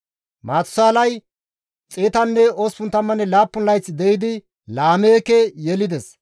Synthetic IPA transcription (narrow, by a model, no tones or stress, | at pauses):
maːt̪saːlɐj | t͡sʼeːt̪ɐnːɛoːspʊnt̪ɐmːɐnɛlaːpːʊnlɐjt͡sːɪd̪ɛjɪd̪ɪ | laːmeːkɛjɛlɪd̪ɛs